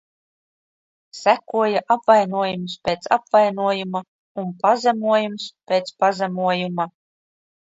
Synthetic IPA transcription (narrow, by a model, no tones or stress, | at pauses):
sækuɔjaʔapvajnuɔjumspʲeːt̪sa̰pvajnuɔjuma | unpazɛmuɔjumspʲeːt̪spazɛmuɔjuma